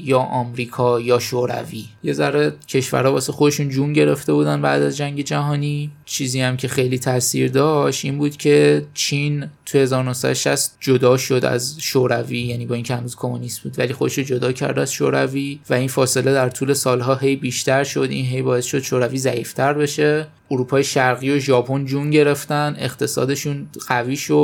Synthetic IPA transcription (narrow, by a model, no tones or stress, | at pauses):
jɒːʔɒːmɾiːkʰɒːjɒːʃoɾæ̰viːje̞zæɾecʰe̞ʃvæ̰ɾɒːbɒːsexo̞d̪e̞ʃuːnd͡ʒuːnɟe̞ɾe̞ft̪e̞buːd̪ænbæ̰ːd̪æzd͡ʒæŋɟe̞d͡ʒæɦɒːnit͡ʃʰiːziːæmcʰe̞xe̞jliːt̪ʰæsḭɾd̪ɒːʃt̪iːnbuːd̪̥cʰe̞t͡ʃʰint̪ʰujehe̞zɒːɾonohsæ̰d̪oʃæ̰st̪d͡ʒo̞d̪ɒːʃo̞d̪æ̰zʃoɾæviːjæːniːbɒːincʰehænuːz̥kʰo̞munisbuːd̪væ̰liːxo̞d̪eʃod͡ʒo̞d̪ɒːcʰæ̰ɾd̪æzʃo̰ɾæ̰viːvæinfɒːse̞le̞d̪æɾt̪ʰuːle̞sɒːlɦɒːɦe̞jbiːʃt̪æɾʃo̞d̪ʔḭnɦe̞jbɒːe̞sʃo̞d̪̥ʃoːɾæviːzæiːft̪ʰæɾbe̞ʃe̞ | ʔoɾuːpʰɒːjeʃæɾɣiːo̞ʒɒːpʰo̞nd͡ʒunɟe̞ɾe̞ft̪ænʔe̞̰χt̪ʰe̞sɒ̰ːd̪e̞ʃuːnɢ̥æviːʃo